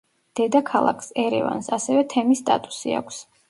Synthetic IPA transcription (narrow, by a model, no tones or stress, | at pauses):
d̪̥ɛd̪akʰalˠa̰kʰsɛɾɛ̰va̰nsasɛvɛt̪ʰɛmist̪ʼa̰t̪ʼu̥sḭa̰kʷʰs